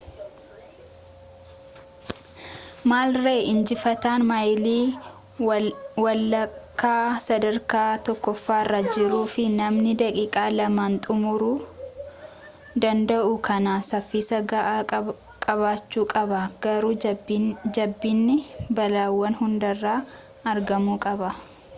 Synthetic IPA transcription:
maːlreːʔɪnd͡ʒɪfɐt̪aːnmɐjliː | wɐlɐkːaːsɐd̪ɐɾkaːt̪ɔkːɔfːaːrːɐd͡ʒɪɾuːfɪnɐmnɪd̪ɐkʼiːkʼaːlɐmaːnt̪ʼʊmʊɾuː | d̪ɐnd̪ɐʔʊkʰɐnaːsɐfːiːsɐɡaʔ | kʼɐβaːt͡ʃːuːkʼɐbɐɡ̥ɐɾuː | d͡ʒɐbːinːɪbɐlaːwːɐnhʊnd̪ɐrːaː | ɐɾɡɐmuːkʼɐbɐ

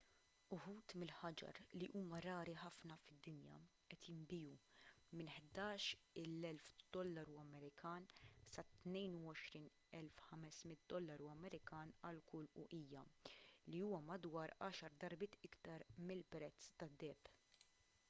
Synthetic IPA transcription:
ʊħuːt̪mɪlħɐd͡ʒɐ̰ɾliʔuːmɐɾɐːɾiħɐfnɐfɪd̪ːɪnjɐ̰ʔɛt̪jɪmbɪːju | mɪnħd̪ɐːʃɪlːɛlfd̪̥ɔlːɐɾuɐmɛɾɪkɐːnsɐt̪nɛjnuɔʃɾiːn | ɛlfħɐmɛsmɪt̪̚d̪ɔlːɐɾuɐmɛɾɪkɐːnɐlkʊlʊʔiːjɐliuːwɐmɐd̪wɐːɾɐːʃɐɾd̪ɐɾbɪːt̪ɪkt̪ɐɾmɪlpɾɛt͡sːt̪ɐd̪ːɛːp

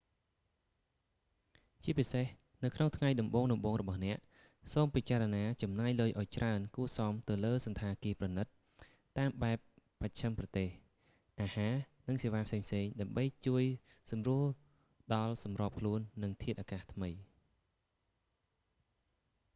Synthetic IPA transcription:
t͡ɕiəpiseh | nɨwkʰnoŋt̪ʰŋajɗɑmɓoːŋɗɑmɓoːŋrɔɓɑhnɛ̆əʔ | soːmpit͡ɕaːɾɑnaːt͡ɕɑmnaːjləːjʔaɔjt͡ɕraənkuəsɑmt̪ɨwləːsɑnt̪ʰaːkiəprɑnɨt̪̚ː | aːmɓaɛpː | at͡ɕʰəmprɑt̪eːh | ʔaːhaː | nɨŋseːʋaːpʰseːŋpʰseːŋɗaəmɓəjt͡ɕuəj | sɑmruəl | ɗɑlsɑmrŏːp̚kʰluənːɨŋt̪ʰiət̪̚ʔaːkaːht̪ʰməj

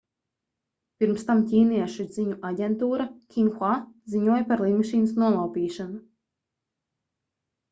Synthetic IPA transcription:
pʲiɾmst̪amcʲiːniɛʃud̪ziɲuʔaɟʲɛnt̪uːɾakʲiŋxwaziɲuɔjpaɾlˠimaʃiːnasnuɔlˠawpiːʃanu

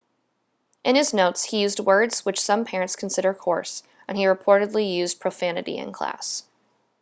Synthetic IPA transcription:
ʔɨ̃nɨznoʊtshijʉzd̚wɜ˞dz̥wɨt͡ʃsʌ̃mpʰɛɹɨ̃ntskʰn̩sɪɾə˞kʰɔ̰ɹs | ʔɨ̃niɹɨpʰɔɹɾɨdˡlijʉzpʰɹ̥oʊfænɨɾḭɨ̰̃nkʰl̥æ̰s

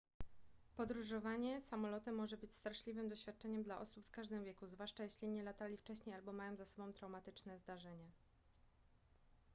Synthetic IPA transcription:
pɔd̪ɾuʐɔvaɲɛsamɔlɔt̪ɛmːɔʐɛbɘt͡ɕst̪ɾaʂlʲivɘmd̪ɔɕfʲjat̪̚t͡ʂɛɲɛmd̪laʔɔsupfkaʐd̪ɘmvjɛkuzvwaʂt͡ʂajeɕlʲiɲɛlat̪alʲift͡ʂɛɕɲejalbɔmajɔ̃w̃zasɔbɔ̃w̃t̪ɾawmat̪ɘt͡ʂnɛzd̪aʐɛɲɛ

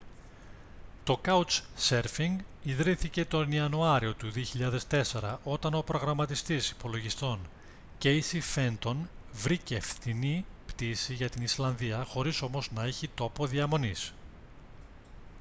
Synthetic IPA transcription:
t̪o̞kɐut͡sse̞ɾfiŋɡiðɾiθice̞t̪o̞niɐnuɐɾio̞t̪uðio̞çiʎɐðe̞st̪e̞se̞ɾɐʔo̞t̪ɐno̞pɾo̞ɣɾɐmɐt̪ist̪isi̥po̞lo̞ʝist̪o̞n | ce̞isife̞nt̪o̞nvɾicːfθinipt̪isiʝɐt̪inislɐnðiɐxo̞ɾiso̞mo̞znɐeçit̪o̞po̞ðiɐmo̞nis

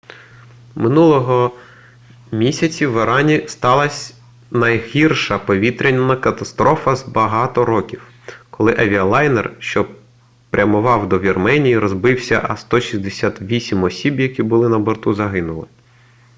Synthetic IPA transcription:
mɪnulˠɔɦɔ | mʲisʲɐt͡sʲiʋeɾɑnʲist̪ɑlˠɐsʲ | nɐjɦirʃɐpɔʋʲit̪ɾʲenʲːɐnɐkɐt̪ɐst̪ɾɔfɐzbɐɦɑt̪ɔɾɔkʲiw | kɔlˠɪʔɐʋʲiɐlˠɑjnɛrʃt͡ʃɔ | pɾʲɐmʊʋɑwd̪ɔʋʲirmɛnʲijiɾɔzbɪwsʲɐ̰ʔɐst̪ɔʃʲizʲd̪esʲat̪ʋʲisʲimɔsʲibjɐkʲibʊlˠɪnɐbɔrt̪uzɐɦɪnʊlˠɪ

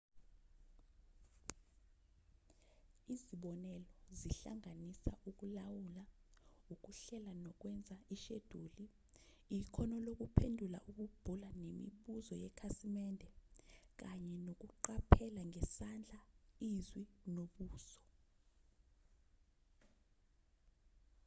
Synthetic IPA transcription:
iziɓɔnɛlɔziɬa̰ŋanisa̰ʔuk̬ulawulauk̬uɬɛlanɔk̬wɛnd͡zʱaiʃed̥ʱuːli | ikʰɔnɔlok̬upʰendʱula̰ʔuk̬ub̥ʱulanemḭɓuzɔjɛkʰasimɛndʱɛk̬aɲɛnok̬uǃapʰɛlaŋɛsand͡ɮʱaizwinoɓuːsɔ̥

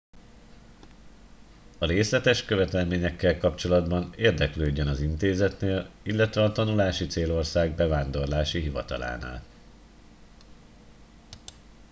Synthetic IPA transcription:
ɒɾeːslɛt̪ɛʃkø̞vɛt̪ɛlmeːɲɛkːɛlkɒpt͡ʃo̞lɒd̪bɒneːrd̪ɛkløːɟːønɒzint̪eːzɛt̪neːlilːɛt̪ʋɛɒt̪ɒnulaːʃit̪seːlo̞rsaːɡ̚bɛvaːnd̪o̞rlaːʃiɦivɒ̰t̪ɒ̰la̰ːna̰ːl

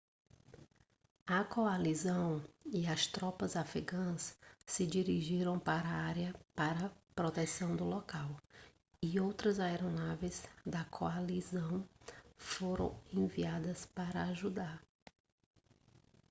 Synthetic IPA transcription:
ɐkoalizɐ̃w̃iɐst̪ɾɔpɐzafɾiɡɐ̃ssɪd͡ʒiɾiʒiɾɐ̃w̃paɾɐaɾjɐpaɾɐpɾot̪esɐ̃w̃d̪ʊlɔkaw | ɪowt̪ɾɐzaɛɾonavezd̪ɐkʰoalizɐ̃w̃foɾɐ̰̃w̃ẽviad̪ɐspaɾɐaʒud̪aɾ

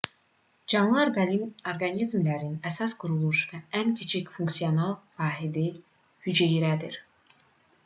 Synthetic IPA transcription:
d͡ʒɑnlˠɯoɾɡɑnizmlæɾinæsɑsɡuɾulˠuʃvææncʰet͡ʃʰicfuŋksijonɑlˠvɑːɦid̪i | hyd͡ʒæjiɾæd̪iɾ

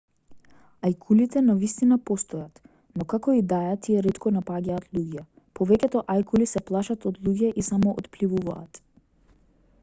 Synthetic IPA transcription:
ajkʰulit̪ɛnavist̪inapɔst̪ɔjat̪ | nɔkakɔid̪ajat̪iɛɾɛt̪kʰɔnapaɟaːt̪ʰlˠuɟɛ | pɔvɛcʲɛt̪ɔʔajkulisɛplˠaʃat̪ɔd̪lˠuɟɛʔisamɔʔɔ̰t̪plivuva̰ːt̪

